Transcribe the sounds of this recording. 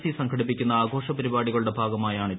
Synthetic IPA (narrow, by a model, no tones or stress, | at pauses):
sisɐŋkʰɐɽipːikʲːunːɐaːɡʱo̞ːʂɐpɐɾibaːɽiɣɐɭuɽe̞bʱaːɡɐmaːjaːɳɨ